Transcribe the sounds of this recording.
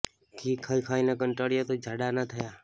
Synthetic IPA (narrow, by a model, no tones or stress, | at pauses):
kʰiːkʰaikʰainəkəɳʈəɽjot̪od͡ʒʱaɽanət̪ʰəja